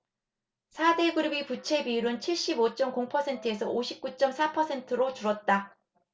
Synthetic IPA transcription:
sʰade̞ɡɯɾibiput͡ɕʰe̞biuɾɯnt͡ɕʰiɭɕ͈ibot͡ɕ͈ʌmkoŋpʰʌsʰe̞ntʰɯe̞sʰʌoɕʰip̚k͈ut͡ɕ͈ʌmsʰapʰʌsʰe̞ntʰɯɾot͡ɕuɾwʌt̚t͈a

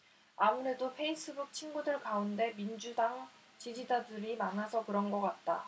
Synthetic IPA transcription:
amune̞dopʰe̞is͈ʰɯbuk̚t͡ɕʰinɡudɯɭkaunde̞mind͡ʑudaŋ | t͡ɕid͡ʑid͡ʑadɯɾimanasʰʌkɯɾʌnɡʌk͈at̚t͈a

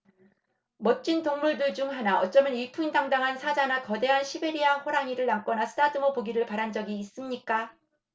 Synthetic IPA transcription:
mʌt͡ɕ͈intoŋmuɭdɯd͡ʑuŋɦanaʌt͡ɕ͈ʌmɯnipʰuŋindaŋdaŋɦansʰad͡ʑanakʌde̞ɦanɕʰibe̞ɾiahɸoɾaɲiɾɯɭnamk͈ʌnasʰɯ̥dʰadɯmopoɡiɾɯɭpaɾand͡ʑʌɡiːs͈ɯmɲik͈a

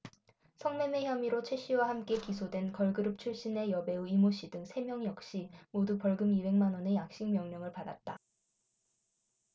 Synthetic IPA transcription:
sʰʌŋme̞me̞çjʌmiɾot͡ɕʰe̞ɕ͈iwahamk͈e̞kisʰodwe̞nkʌɭɡɯɾɯp̚t͡ɕʰuɭɕ͈ine̞jʌbe̞uimoɕ͈idɯŋsʰe̞mjʌŋjʌk̚ɕ͈imodupʌɭɡɯmibe̞ŋmanwʌne̞jak̚ɕ͈iŋmjʌŋɲʌŋɯɭpada̰t̚t͈a

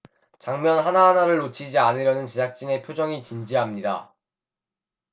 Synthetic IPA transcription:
t͡ɕaŋmjʌnɦanaɦanaɾɯɭːot͡ɕʰid͡ʑianɯɾjʌnɯnt͡ɕed͡ʑak̚t͡ɕ͈ine̞pʰjod͡ʑʌŋit͡ɕind͡ʑiɦamɲida̰

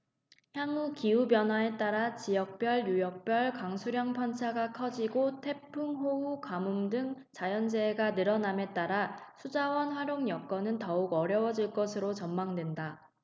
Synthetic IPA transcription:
çjaŋukiubjʌnɦwae̞t͈aɾat͡ɕijʌk̚p͈jʌɭjujʌk̚p͈jʌɭkaŋsʰuɾjʌŋpʰʌnt͡ɕʰaɡakʰʌd͡ʑiɡotʰe̞pʰuŋɦoukamumdɯŋ | t͡ɕajʌnd͡ʑeːɡanɯɾʌname̞t͈aɾasʰud͡ʑawʌnɸwaɾjoŋjʌk͈ʌnɯntʌuɡʌɾjʌwʌd͡ʑiɭk͈ʌsʰɯɾot͡ɕʌmmaŋdwe̞nda

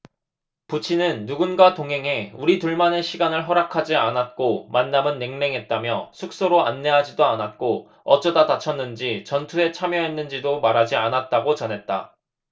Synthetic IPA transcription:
put͡ɕʰinɯnːuɡunɡatoŋɦe̞ŋɦe̞uɾituɭmane̞ɕʰiɡanɯɭɦʌɾakʰad͡ʑianat̚k͈omanːamɯnːe̞ŋne̞ŋɦe̞t̚t͈amjʌsʰuk̚s͈oɾoa̰nːe̞ɦad͡ʑidoanat̚k͈o | ʌt͡ɕ͈ʌdadat͡ɕʰʌnːɯnd͡ʑit͡ɕʌntʰue̞t͡ɕʰamjʌɦe̞nːɯnd͡ʑidomaɾɦad͡ʑianat̚t͈aɡot͡ɕʌnɦe̞t̚t͈a̰

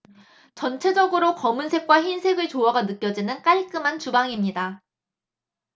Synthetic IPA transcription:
t͡ɕʌnt͡ɕʰe̞d͡ʑʌɡɯɾokʌmunsʰe̞k̚k͈waçinsʰe̞ɡɯɭt͡ɕoaɡanɯk͈jʌd͡ʑinɯnk͈aɭk͈ɯmant͡ɕubaŋimɲida

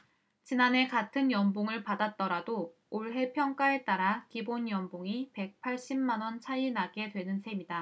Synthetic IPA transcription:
t͡ɕinane̞katʰɯnjʌmboŋɯɭpadat̚t͈ʌɾado | oɭɦe̞pʰjʌŋk͈ae̞t͈aɾakibonjʌmboŋipe̞k̚pʰaɭɕ͈imːanwʌnt͡ɕʰainaɡe̞dwe̞nɯnsʰe̞mida

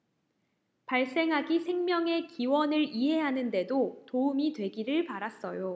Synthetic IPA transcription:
paɭs͈e̞ŋɦaɡisʰe̞ŋmjʌŋe̞kiwʌnɯɭiɦe̞ɦanɯnde̞dotoumidwe̞ɡiɾɯɭpaɾas͈ʌjo

